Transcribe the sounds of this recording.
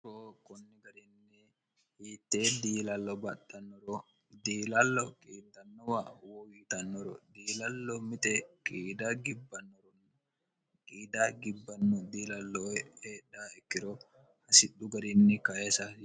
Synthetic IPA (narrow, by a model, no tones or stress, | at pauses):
koːkɔnːɛɡɐɾɪnːɛ | hiːt̪ːeːd̪iːlɐlːɔbɐtːɐnːɔɾɔ | d̪iːlɐlːɔkʼiːd̪ɐnːɔwawɔwiːt̪ɐnːɔɾɔd̪iːlɐlːɔmɪt̪ɛkʼiːd̪aɡɪbːɐnːɔɾɔnː | kʼiːd̪aɡɪbːɐnːɔd̪iːlɐlːɔheːɗːaːɛkːɪɾɔ | hɐsɪɗʊɡɐɾɪnːɛkɐesɐ